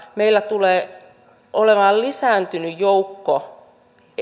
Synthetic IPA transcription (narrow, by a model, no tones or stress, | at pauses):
meilːˑæt̪uleː | oleʋɑːllisæːnt̪ynyjjoukːo